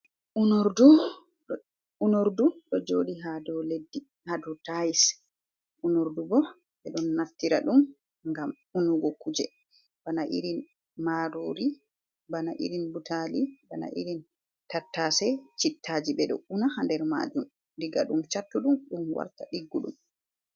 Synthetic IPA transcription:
ʔunoɾdu | unoɾduɗɔd͡ʒoːɗiɦadɔledːi | hadɔtajis | ʔunoɾdubɔ | ɓɛɗɔnːaftːiɾaɗum | ŋɡam | unuɡɔkud͡ʒɛ | b̥anaʔḭɾin | maɾoːɾi | banaʔḭɾinbutalibana̰ʔḭɾin | tatːasɛt͡ʃitːaːd͡ʒiɓɛɗɔ̰unahandɛɾma̰d͡ʒum | diɡa̰ɗumt͡ʃatːuɗumɗumwa̰ɾtaɗiɡːuɗṵm

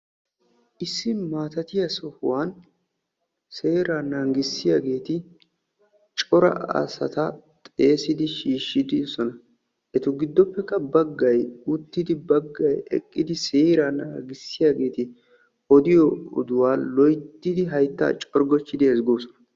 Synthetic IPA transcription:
ʔɪsːɪmaːt̪ɐt̪ɪjɐsɔhʊwaːn | seːɾaːnaŋɡɪsːɪjaːɡe̞ːt̪ɪ | t͡ʃʼɔɾɐ̰ɐ̰sɐ̰t̪ɐt̪ʼe̞ːsɪd̪ɪʃiːʃːɪd̪ɪsɔnɐ | ʔɛt̪ʊɡɪd̪ːɔpːɛkːɐbɐɡːɐjʊt̪ːɪd̪ɪbɐɡːɐjɛ̰kʼːɪd̪ɪseːɾanaɐɡɪsːɪjaːɡe̞ːt̪ɪ | ɔd̪ɪjɔɔ̰d̪ʊwaːlɔjt̪ːɪd̪ɪɦɐjt̪ːa̰ːt͡ʃʼɔɾɡɔt͡ʃːɪd̪ɪɛzɡoːsɔnɐ̥

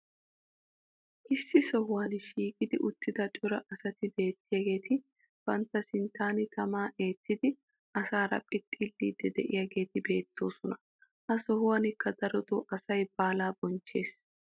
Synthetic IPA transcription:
ʔɪsːɪsɔhʊwaːnʃiːkʼɪd̪ɪʔʊt̪ːɪd̪ɐt͡ʃʼʊɾɐʔɐsɐt̪ɪbe̞ːt̪ːɪjaːɡe̞ːt̪ɪ | b̥ɐnt̪ːɐsɪnt̪aːnɪt̪ʰɐmaːʔe̞ːt̪ːɪd̪ɪ | ʔɐsaːɾɐ̰pʼɪt̪ʼːiːlːiːd̪ːɛd̪ɛʔɪjaɡe̞ːt̪ɪbe̞ːt̪ʰːo̞ːsɔnɐ | ʔɐsɔhʊwaːnɪkːɐd̪ɐɾɔd̪oʔɐsɐjb̥aːlaːbɔnt͡ʃːe̞ːs

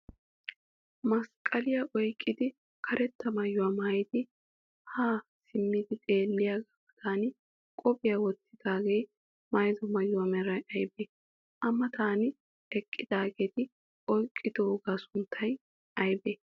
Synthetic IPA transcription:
mɐskʼɐlɪjaʔɔjkʼːɪd̪ɪ | kʰɐɾʔɛt̪ːɐmɐjːʊwaːmaːjd̪ɪ | haːsɪmːɪd̪ɪt̪ʼe̞ːlːɪjaːɡabɐt̪ʰaːnɪ | kʼɔpʼɪjawɔt̪ːɪd̪̥aːɡej | mɐjzɔmɐjːʊwaːmɛɾɐjɐjbe | ʔɐmːɐt̪aːnɪ | ɛkʼːɪd̪aːɡeːt̪ɪ | ɔjkʼːɪd̪oːɡaːsʊnt̪ʰːɐj | ɐjbeː

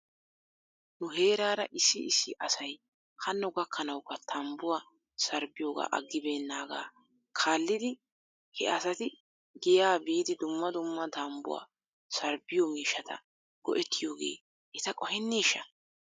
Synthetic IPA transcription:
nʊɦe̞ːɾaːɾɐ̰ʔɪsːɪɪsːɪʔɐsɐj | hɐnːʊɡɐkʰːɐnɐwkːɐt̪ʰɐmbʊwaː | sɐɾbɪjo̞ːɡa̰ːʔɐ̰ɡːɪbe̞ːnːaːɡa̰ː | kʰaːlːɪd̪ɪ | hɛ̰ʔɐsɐt̪ɪ | ɡɪjaːbiːd̪ɪd̪ʊmːɐd̪ʊmːɐt̪ɐmbʊ̰wa̰ː | sɐɾbɪjomiːʃːɐt̪ɐ̰ | ɡ̥ɔ̰ʔɛt̪ʰːɪjo̞ːɡe̞̰ː | ʔɛt̪ɐkʼɔhɛnːiːʃːɐ

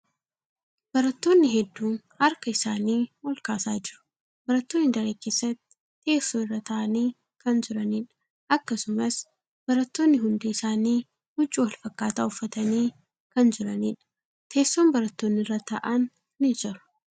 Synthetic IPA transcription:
b̥ɐɾɐt̪ːo̞ːnːɪɦɛd̪ːuːn | hɐɾkɐɪsaːniːwɐlkaːsaːd͡ʒɪɾʊ̥ | bɐɾɐt̪ːo̞ːnːɪd̪ɐɾeːke̞ːsːɐt̪ːɪ̥ | e̞ːsoːnɪrːɐt̪ɐʔɐniː | kɐnd͡ʒɪɾɐniːᶑɐ̥ | ɐkːɐsʊmɐs | b̥ɐɾɐt̪ːo̞ːnːɪɦʊnd̪iːɪsaːniː | hʊt͡ʃʼːɪwɐlfɐkːaːt̪aːʊfːɐt̪ɐniː | kɐnd͡ʒɪɾɐniːᶑɐ̥ | t̪ʰe̞ːsːoːmbɐɾɐt̪ːoːnːɪrːɐt̪ɐʔɐnː | ɪd͡ʒɪɾʊ̥

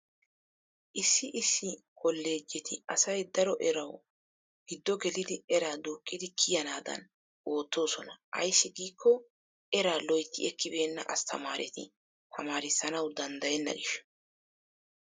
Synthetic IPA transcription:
ʔɪsːɪʔɪsːɪkɔlːe̞ːd͡ʒːɛt̪ʰɪɐsɐjd̪ɐɾɔʔɛɾɐw | ɡ̥ɪd̪ːɔɡɛlɪd̪ɪɛɾaːd̪uːkʼːɪd̪ɪkʰɪjɐnaːd̪ɐ̰n | o̞ːt̪ːo̞ːsɔnɐʔɐ̰jsːɪɡiːkʰːɔ | ʔɛɾaːlɔjt̪ːɪ̰ɛkːɪbe̞ːnːɐ̰ʔɐst̪ʰɐma̰ːɾʔɛt̪ɪ̰ | t̪ʰɐmaːɾɪsːɐnɐwd̪ɐnd̪ɐjɛnːɐ̰ɡɪʃːɛ̥

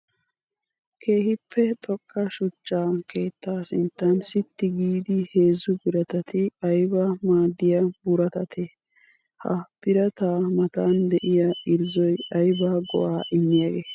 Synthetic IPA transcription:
kʰe̞ːhɪpʰːɛt̪ʼɔkʼːɐʃʊt͡ʃːaːke̞ːt̪ːaːsɪnt̪ːɐnsɪt̪ːɪɡiːd̪ɪhe̞ːzʊbɪɾɐt̪ɐt̪ɪɐjbɐmaːd̪ːɪjɐbʊɾɐt̪ɐt̪ʰɛ | hɐ̰pɪɾɐt̪aːmɐt̪aːnd̪ɛʔɪjɐɪɾzɔjɐjbaːɡɔ̰ʔaːʔɪmːɪjaɡeː

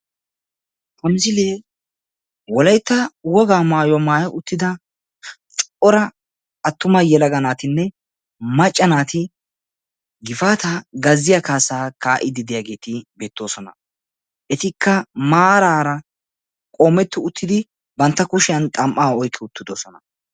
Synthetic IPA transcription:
h̪ɐmɪzɪleː | wɔlɐjt̪ːɐwɔɡaːmaːjɔwɐmaːjɐʔʊt̪ːɪd̪ɐ | t͡ʃʼʔɔɾɐ | ɐt̪ːʊmɐjɛlɐɡɐnaːt̪ɪnːɛ | mɐt͡ʃʼːɐnaːt̪ɪ | ɡɪfaːt̪ɐɡɐzːɪjakaːsaːkaːʔɪd̪ɪd̪ɪjaːɡe̞ːt̪ɪbe̞ːt̪ːo̞ːsɔnɐ | ʔɛt̪ɪkʰːɐmaːɾaːɾɐ | kʼoːmːɛt̪ːɪʊt̪ːɪd̪ɪ | bɐnt̪ːɐkʊʃɪjɐnt̪ʼɐmʔaːɔjkʰːɪʊt̪ːɪd̪o̞ːsɔnɐ

